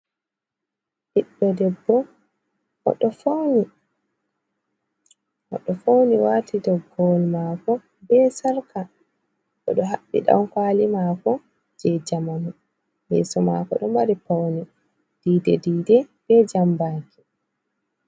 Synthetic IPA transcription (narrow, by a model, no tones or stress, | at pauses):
ʔiɗːɔdɛbːɔ | ʔɔ̰ɗɔfoni | ʔɔ̰ɗɔfowniwaːtidɔɡɔlmaːkɔ | bɛsaɾka | ɗɔ̰ɗɔɦaɓːḭɗa̰wkwaːlimaːkɔ | d͡ʒɛd͡ʒamanu | bɛ̰sɔma̰kɔ̰ɗɔmbaɾipawni | d̥iːdɛdiːdɛb̥ɛd͡ʒambaːki̥